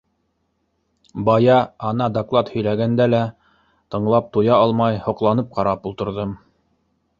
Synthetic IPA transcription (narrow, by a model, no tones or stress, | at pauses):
bɑjɑɑnɑd̪oklˠɑt̪hɵ̆jlæɡænd̪ælæ | t̪ɤ̆ɴlˠɑp̚t̪ujɑɑlˠmɑjhŏqlˠɑnɤp̚qɑɾɑpulˠt̪ɤ̆ɾðɤm